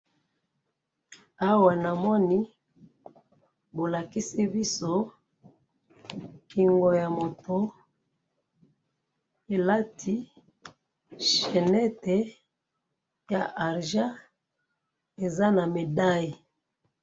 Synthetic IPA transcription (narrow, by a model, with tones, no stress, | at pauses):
a˦wa˨na˨mɔ˦ni˦ | bo˨la˨ki˦si˦bi˦so˦ | ki˨ŋɡo˨ja˨mo˨to˦ | e˨la˦tʰi˦ | ʃɛ˨nɛ˦te˨ | ja˨ʔa˨ʁʒa˦ | e˨za˦na˨me˨da˦ji˨